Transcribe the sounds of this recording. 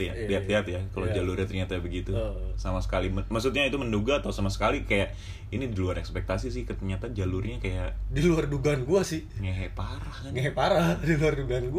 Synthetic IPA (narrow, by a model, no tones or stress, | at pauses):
jaliat̪̚liat̪jakalod͡ʒalurɲat̪ərɲat̪abəɡit̪usamasə̥kaliməmaks̬ut̪̚ɲait̪umənduɡaːt̪awsamasə̥kalikajaʔ | inidiluaɾɛkspɛk̚t̪asisɪhkət̪ərɲat̪ad͡ʒalurɲakajaʔdiluarduɡanɡuasɪhŋaɦepaɾahkaŋaepaɾahdiluarduɡanɡu